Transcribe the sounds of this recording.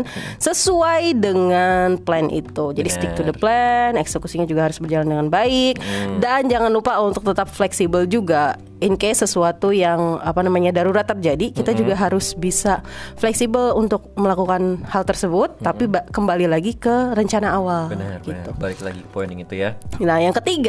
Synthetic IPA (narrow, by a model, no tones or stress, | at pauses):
nsəsuajdəŋanplɛnʔḭt̪ud͡ʒadist̪ɪk̚t̪udəplɛnɛksəkusiɲad͡ʒuɡaɦaɾʊsbərd͡ʒalandəŋanbaɪk̚dand͡ʒaŋanupaunt̪ʊk̚t̪ət̪apflɛksibəld͡ʒuɡa | ɪnkajasəsuat̪ujaŋapanamaɲadaɾuɾat̪ːərd͡ʒadikit̪ad͡ʒuɡaɦaɾʊsbisaflɛksibəlunt̪ʊk̚məlakukanhalt̪ərsəbʊt̪ːapibkəmbalilaɡikəɾəɲt͡ʃanaːwalɡit̪ubaɪkla̰ɡipɔjnɪ̰ŋit̪ujanajaŋkət̪iɡa